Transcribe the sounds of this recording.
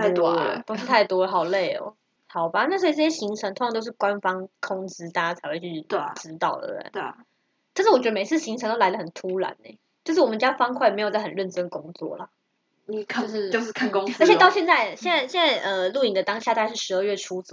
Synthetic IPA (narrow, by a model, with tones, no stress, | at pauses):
t̪o˥i˧t̪ʰa˥˩ɪt̪wɔ˥˩ɦɑ˨˩ʊle˥˩ɪɔ̰˨˩ | hɑ˨˩ʊba˨na˥˩swɔ˥i˧˩ʈ͡ʂɤ˥˩ɕjɛ˥ɕi˧˥ŋʈ͡ʂʰɤ˧˥ŋt̪ʰo˧˥ŋʰ˥ɑ˧t̪o˥ʊʂɻ̩˥˩kwa˦˥˧nfɑ˥ŋkʰʊ˥ŋt͡sɹ̩˥t̪a˥˧t͡ɕa˥t͡sʰa˧˥ɪxwe˥˧ɪt͡ɕʰy˥˩ʈ͡ʂɻ̩˥t̪ɑ˥˩ʊd̪ə̰˩ə̰˨˩˦n˩ | kʰʂɻ̩˥˩wɔ˨˩t͡ɕɥd̪ə˧me˨˩ɪt͡sʰɹ̩˥˩ɕi˧˥ŋʈ͡ʂʰŋt̪o˥˧a˧˥ɪd̪ə˧xə˨˩nt̪ʰu˥la̰˨˧˦nḛ˩˦ | t͡ɕjo˥˧ʂ̬ɻ̩˥˩wɔ˨˩mə˦nt͡ɕja˥fɑ˥ŋkʰwa˥˩ɪme˧ɪjt͡sa˥˩ə˨˩nɻə˥˩nʈ͡ʂə˥nkʊ˥ŋt͡swɔ̰˥˩lə˩˨˩ | ʊʂɻ̩˥˩o˥˧ʊ˥˧kʰa˥˩nkʊ˥ŋ˥t͡ɕɛ˧t̪ɑ˥˧ʊɕjɛ˥˧nt͡sa˥˧ɪɕjɛ˥˧nt͡sa˥˧ɪɕjnt͡sa˥˧ɪʔə˨˧lu˥˩i˨˩ŋd̪ə˦t̪ɑ˥ŋɕja˥˧t̪a˥˧˥ʂɻ̩˥˩ʂɻ̩˧˥ə˥˧ɥɛ˥˩ʈ͡ʂʰu˥t͡s